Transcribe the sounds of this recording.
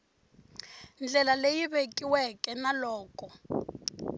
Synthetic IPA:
nd͡ɮʱɛlalejiβekʼiwɛkɛnalɔːkʼɔ

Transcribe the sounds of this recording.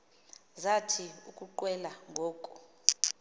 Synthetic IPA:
zatʰiukʼuǃwɛlaŋɡʱoːkʼu

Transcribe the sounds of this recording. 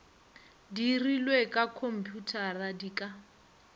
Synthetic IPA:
dirilwekʼakʰom̩pʰʼjutʰaradiːkʼa

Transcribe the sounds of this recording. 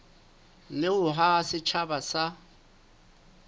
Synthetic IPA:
nɪʊɦasɪt͡ʃʰabasa

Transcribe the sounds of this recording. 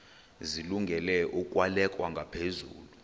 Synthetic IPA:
ziluŋɡʱɛlɛʔukʼwalɛkʼwaŋɡʱapʰezṵːlu

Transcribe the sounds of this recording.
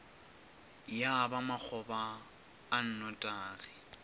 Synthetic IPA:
jabamak͡xʰɔbaː | n̩nɔtʼaːrɪ

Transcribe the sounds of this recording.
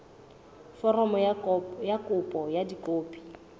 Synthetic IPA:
fɔrɔmɔjakʼʊpʼɔjadikʼoːpʼi̥

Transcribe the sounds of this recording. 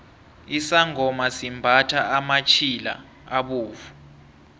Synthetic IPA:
isaŋʱɔmasimbʱatʰaamat͡ʃʰila̰ | aɓoːvu

